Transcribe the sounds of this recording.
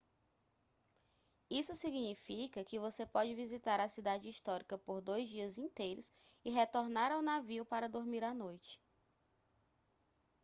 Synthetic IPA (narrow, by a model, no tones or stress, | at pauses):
isʊsiɡnifikɐkɪvosepɔd͡ʒɪvizit̪aɾɐsid̪ad͡ʒɪiʃt̪ɔɾikɐpoɾd̪ojzd͡ʒiɐzĩnt̪ejɾʊs | ɪɦet̪oɾnaɾawnaviupaɾɐd̪oɾmiɾanojt͡ʃɪ̥